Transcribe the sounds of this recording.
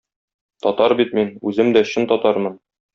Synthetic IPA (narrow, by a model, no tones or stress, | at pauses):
t̪ɒt̪ɑɾbit̪̚minʉzɘmd̪æɕɤnt̪ɒt̪ɑɾmɤn